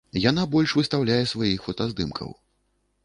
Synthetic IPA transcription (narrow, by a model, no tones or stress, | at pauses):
jan̪abɔlʲʂvɨst̪awlʲajɛsvajixfɔt̪azd̪ɨmkʰɐ̰w